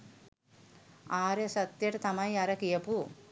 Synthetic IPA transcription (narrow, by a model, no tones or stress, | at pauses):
aːɾesɐt̪ːeʈt̪ɐmɐjɐɾɐkijɐpu